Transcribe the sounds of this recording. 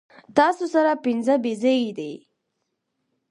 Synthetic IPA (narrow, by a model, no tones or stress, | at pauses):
t̪ɑsosaɾapɪnzəbized̪ej